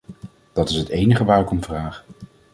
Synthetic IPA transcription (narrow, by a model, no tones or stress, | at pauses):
d̥ɑtɪsɦətejnəχəʋaːkɔmvraːχ